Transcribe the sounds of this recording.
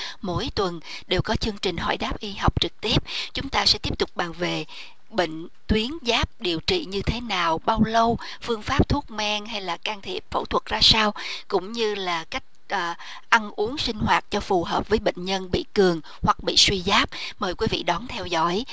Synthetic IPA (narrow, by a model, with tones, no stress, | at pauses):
mo̰˧˥jt̪wə˨˩n | ɗe˨˩wkɔ˨˦t͡ɕɨ˧əŋt͡ɕï˨˩ŋ̟ɦɔ̰˧˩jɗaː˦˥p̚ʔi˨˦ɦa˨˩wk͡p̚t͡ɕɨ˨˩k̚t̪i˦˥əp̚t͡ɕʊ˨˦ŋ͡mt̪aː˧sɛ̰˧˥t̪i˦˥əp̚t̪ʊ˨˩k͡p̚ɓaː˨˩ŋve˨˩ | ɓḛ˧˨ŋ̟ | t̪wi˨˦ənzaː˦˥p̚ɗi˨˩əwt͡ɕḭ˧˨ɲɨ˧t̪ʰe˨˦naː˨˩wɓaː˧wlə˧w | fɨ˧əŋfaː˦˥p̚t̪ʰu˦˥ək̚mɛ˧ŋɦa˧jlaː˨˩kaː˧ŋt̪ʰi˨˩əp̚fə̰˧˩wt̪ʰwə˨˩t̚zaː˧saː˧wkʊ̰˧˥ŋ͡mɲɨ˧laː˨˩ka˦˥jk̟̚ʔ | ʔa˧nʔu˨˦əŋsï˧ŋ̟ɦwaː˨˩t̚t͡ɕɔ˧fu˨˩ɦəː˨˩p̚vəː˨˦jɓḛ˧˨ŋ̟ɲə˧nɓḭ˧˨kɨ˨˩əŋ | hwa˨˩k̚ɓḭ˧˨swi˧zaː˦˥p̚məː˨˩jkwi˨˦vḭ˧˨ɗɔ˨˦nt̪ʰɛ˧wzɔ̰˧˥˨j